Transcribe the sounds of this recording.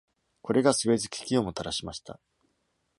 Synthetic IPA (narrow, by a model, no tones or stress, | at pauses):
ko̞ɾe̞ɡasɨβe̞zɨkʲi̥kʲio̞mot̪aɾaɕimaɕi̥t̪a̰